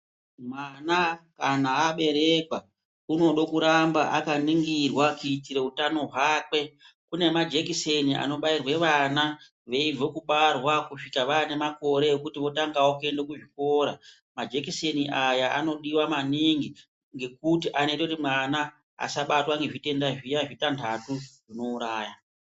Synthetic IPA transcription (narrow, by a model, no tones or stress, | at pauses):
mwanakanaːɓe̞ɾe̞kwa | uno̞ɗokuɾambaʔakaniŋɡirwakuitiɾe̞utano̞ɦwaːkwe̞ | kune̞mad͡ʒekiseniʔa̰no̞ɓairwe̞ʋana | ʋe̞ivo̞kuɓarwakuʂikaʋane̞mako̞ɾe̞ekutiʋo̞taŋɡawokue̞ndekuʐiko̞ːɾa | mad͡ʒe̞kiseniʔajaʔa̰no̞ɗiwamaniŋɡi | ŋɡe̞k̚utiʔane̞teutimwana | a̰saɓatwaŋɡe̞ʐite̞ndaʐijaʐitantʰatuʐ̥ino̞uɾaːja